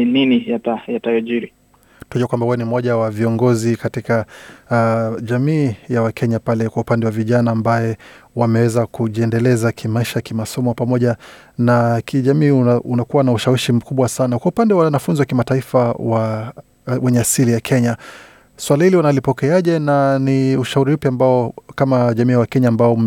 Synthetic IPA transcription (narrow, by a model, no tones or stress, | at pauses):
ilinijatajatajɔʄiɾi | tunaʄuwakwambahujɔnim̩ɔʄawaviɔŋɡɔzikatika | ʄamiːjawakʰɛɲapalɛkwaupandɛwaviʄanaːmbajɛwamɛwɛzakuʄiɛndɛlɛzakʰimaiʃakimasɔmɔpamɔʄa | nakʰiʄamiːunakuwanauʃawiʃim̩kuɓwasanakwaupandɛwaanafunziwakimataifawa | wɛɲɛasilijakʰɛɲa | swalahiliwanalipɔkɛaʄɛnaniuʃauɾipjambaɔkamaʄamiːwakɛɲaːmbaɔ